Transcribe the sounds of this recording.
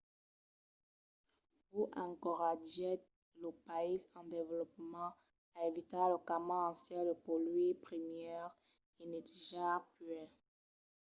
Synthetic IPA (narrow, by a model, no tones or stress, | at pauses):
uʔɑ̃kuʁaʒɛ | ləpaisɑ̃d̪evəlɔpmɑ̃ | aevit̪aləkamãɑ̃sjɛld̪əpɔlɥipʁimjɛʁ | inet̪ʒapɥɛ